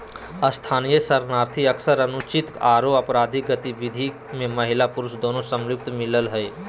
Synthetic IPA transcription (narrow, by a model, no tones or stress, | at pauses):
əst̪ʰaːnijəsəɾnaːɾt̪ʰiəksəɾənʊt͡ʃɪt̪aːɾoɐpɾaːd̪ʱiɡət̪iʋɪd̪ʱi | mẽməɦɪlapʊɾʊsd̪oːnosəmjʊk̚t̪mɪləlɦəe